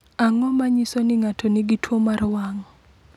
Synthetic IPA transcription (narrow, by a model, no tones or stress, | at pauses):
aŋɔmaɲisɔnɪŋatʰɔnɪɡitʰwomarwaŋɔ